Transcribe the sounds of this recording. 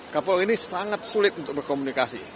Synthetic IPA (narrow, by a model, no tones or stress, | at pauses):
kapalinisaŋat̪̚sulɪt̪unt̪ʊk̚bərkomunikasḭ